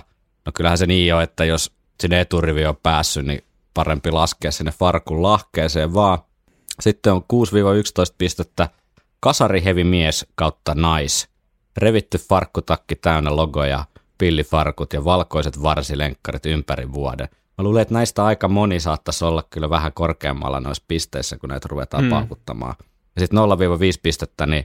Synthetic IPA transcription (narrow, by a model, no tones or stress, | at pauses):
nokylhæseniːjoet̪ːæjos | sinːet̪uriʋiopæːsːynnḭ | pɑrempilɑskeːssinːefɑrkullɑhkeːseːʋʋɑː | sit̪ːeoŋkuːsʋiːʋɑykst̪oist̪̚pist̪et̪ːæ | kɑsɑriheʋimieskɑut̪ːɑnɑis | reʋit̪ːyffɑrkːut̪ɑkːit̪æynːeloɡojɑ̰pilːifɑrkut̪jɑʋɑlkoiset̪ʋɑrsileŋkːɑrit̪ympærḭʋʋuɑ̰dḛ | mæluːleet̪næist̪æɑikɑmonisɑːt̪ːɑsolːɑkkylːʋæhækorkḛːmːɑ̰lːɑ̰no̰ispist̪eisːækunæ̰it̪ruʋḛt̪ɑ̰ːppɑ̰ukut̪ːɑ̰mɑ̰ː | jɑsit̪nolːɑʋiːʋɑʋiːspist̪et̪ːæni